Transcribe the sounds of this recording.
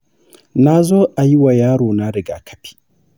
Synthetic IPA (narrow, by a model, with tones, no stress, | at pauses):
na˦zoː˦ʔa˨ji˦wa˨jaː˦ɽoː˨na˦ɾɪ˨ɡa˨kʰɐ̥˦pʰi̥˦